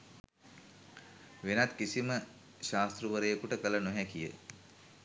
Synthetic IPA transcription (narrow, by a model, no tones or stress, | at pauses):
ʋenat̪kisimə | ʃaːst̪ɾuʋəɾəjəkuʈəkələnoɦɛkijə̰